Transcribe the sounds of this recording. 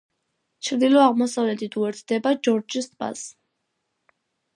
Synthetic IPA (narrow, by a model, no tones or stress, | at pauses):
t͡ʃʰɾd̪ilɔaʁmɔsavlɛt̪ʰit̪ʰuɛɾt̪ʰd̪ɛbad͡ʒɔɾd͡ʒist̪ʰba̰s